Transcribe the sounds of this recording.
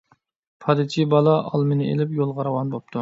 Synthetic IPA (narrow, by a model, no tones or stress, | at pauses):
pʰɑd̪ɨt͡ʃʰibɑlˠɑʔɑ̰lˠmɪnɨḛlɪpjolˠʁɑɾɑwɑnbop̚t̪ʰu